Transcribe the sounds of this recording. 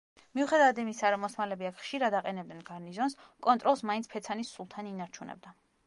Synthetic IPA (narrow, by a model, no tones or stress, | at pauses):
miuχɛd̪avad̪imisaɾɔmɔsmalɛbiakʰχʃiɾad̪aqʼɛnɛb̚d̪ɛnɡaɾnizɔnskʼɔnt̪ʼɾɔlˠsmaint̪spʰɛt̪sʰanisulˠt̪ʰaninaɾt͡ʃʰunɛ̰b̚d̪a